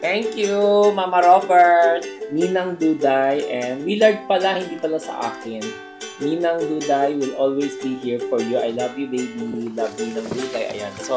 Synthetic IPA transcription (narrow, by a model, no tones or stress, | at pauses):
t̪ɛŋkjumamɐɾofɛɹmiːnɐŋd̪uːd̪ajʔɛnwilaɹd̪̚pɐlahɪnd̪iːpɐlasɐ̰ʔa̰ːkɪn | miːnɐŋluːd̪ajwɪlʔolwejsbiɦiɹfɔɹjuʔɐ̰jlɐvjubejbiilav̚miːnɐŋd̪uːd̪ajʔɐ̰ja̰nɐso